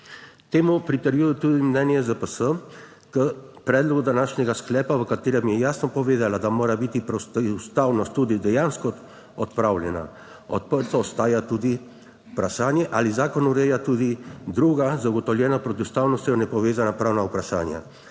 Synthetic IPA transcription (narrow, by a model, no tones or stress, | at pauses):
t̪eːmupɾit̪əɾjuːjɛt̪ud̪imnɛːnjɛzəpəsə | kəpɾɛːd̪lɔɡud̪anaːʃnɛɡasklɛːpaʋəkat̪eːɾɛmjɛjaːsnɔpɔʋeːd̪alad̪amoːɾabit̪ipɾɛwsst̪awnɔst̪ːud̪id̪ɛjanskɔ | ɔt̪pɾawlʲjɛna̰ | ɔ̰t̪̚pəɾt̪ɔːst̪aːjat̪ud̪i | pɾaʃaːnjɛʔalizaːkɔnuɾɛjat̪ud̪id̪ɾuːɡazaɡɔt̪ɔwljɛːnapɾɔt̪iust̪aːwnɔst̪jɔnɛpɔʋeːzanapɾaːwnaupɾaʃa̰ːnja̰